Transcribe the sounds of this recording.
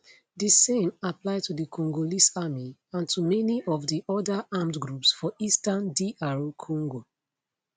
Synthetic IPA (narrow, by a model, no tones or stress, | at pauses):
disẽmaplaɪtudikʰɔ̃ŋɡolisamiãntʰumɛniʔɔvdiʔɔdaʔamtɡɹupsfɔʔistandiʔaɹokʰɔ̃ŋɡo